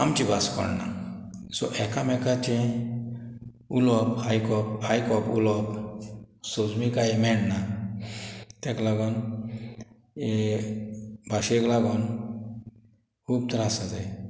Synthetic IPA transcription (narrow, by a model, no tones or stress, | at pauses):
amt͡ɕibaskɔ̰ɽna̰ | sɔʔɛkamɛkat͡ɕẽ | ulɔphajkɔpajkɔpṵlɔp | sɔd͡zmikaimɛɽna | t̪ɛklaɡɔn | e | bʱaɕeklaɡɔn | kʰuːb̚t̪ɾasat̪e